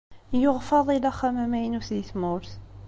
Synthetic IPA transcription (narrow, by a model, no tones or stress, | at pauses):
joʁfɑðˤilæχæmæmæjnuθjəθmʊɾθ